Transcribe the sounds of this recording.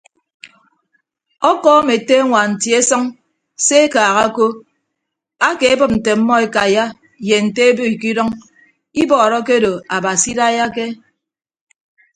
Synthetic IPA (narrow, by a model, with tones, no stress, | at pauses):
ɔ˦kɔ˦me˨te˦ŋʷa˨n̩˨tje˦sɔ˦ŋ | se˦e˦kaː˨ɣa˦ko˦ | a˦ke˨e˦bɨ˦p̚n̩˨te˨m̩˦mːɔ˦e˦ka˨ja˦ | je˨n̩˨te˦e˦bo˦i˨ki˦dɔ˦ŋ | i˦bɔː˨ɾɔ˦ke˦do˨a˨ba˨si˦da˦ja˦ke˦